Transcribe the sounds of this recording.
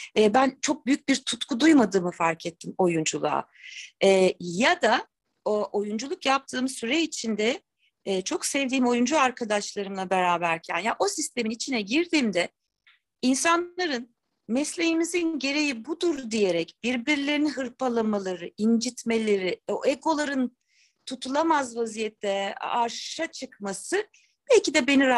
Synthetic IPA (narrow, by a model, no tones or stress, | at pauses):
ɛːbænt͡ʃʰo̞k̚byjyc̚biɾt̪ʰut̪kʰud̪ujmad̪ɯːmɯfaɾcʰɛt̪ʰːimo̞jund͡ʒulˠa̰ː | ɛːjad̪a | oʔo̞jund͡ʒulˠukjap̚t̪ʰɯːmsyɾɛit͡ʃʰind̪ɛː | t͡ʃʰo̞ksɛvd̪iːmo̞jund͡ʒuaɾkʰad̪aʃlˠaɾɯmlˠabe̞ɾaːbæɾcʰænjaʔo̞sist̪ʰe̞minit͡ʃʰinɛɟiɾd̪iːmd̪ɛ | insanlˠaɾɯn | mɛslʲejimizinɟe̞ɾe̞jibud̪uɾd̪ije̞ɾɛcb̥iɾbiɾlʲe̞ɾinnɦɯɾpʰalˠamalˠaɾɯind͡ʒit̪me̞lʲe̞ɾioeko̞lˠaɾɯn | t̪ʰut̪ʰulˠamazvazijɛt̪ʰːɛaɾʃat͡ʃʰɯkmasɯ | b̥ɛlʲcid̪ɛbe̞niɾ